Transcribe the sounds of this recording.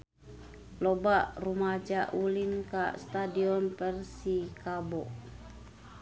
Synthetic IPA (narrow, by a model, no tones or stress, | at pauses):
lɔbaʔrumad͡ʒaʔulinka̰st̪adiɔnpərsikabɔ